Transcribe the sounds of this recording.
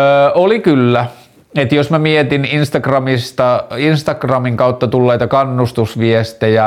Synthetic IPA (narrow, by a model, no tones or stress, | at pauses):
olikylːæ | et̪josmæmiet̪ininst̪ɑkrɑmist̪ɑinst̪ɑkrɑmiŋkɑut̪ːɑt̪ulːeit̪ɑkɑnːust̪usʋiest̪ejæ